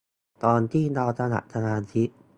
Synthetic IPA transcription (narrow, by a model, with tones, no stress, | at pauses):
t̪ɔː˧nt̪ʰiː˥˩na˧wsʰa˧na̰˨˩ʔ̚sʰa˧ŋaː˧nsʰi˦˥